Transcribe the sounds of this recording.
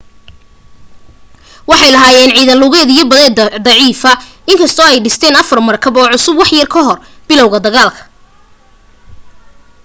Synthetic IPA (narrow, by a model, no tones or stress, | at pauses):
wɑħɑjlɐɦaːjɛːnʕiːðɐlʊɣɛːðijɔbɐðɛːd̪ɑʕiːfɐ | ɪŋkʰɐst̪ʰɔːɛjɖɪst̪ʰɛːnɐfɐrmɐrkʰɐbɔːʕʊsʊbwɑħjɐrkʰɐɦɔr | b̥ɪlɔwɣɐd̪ɐɣaːlkʰɐ̥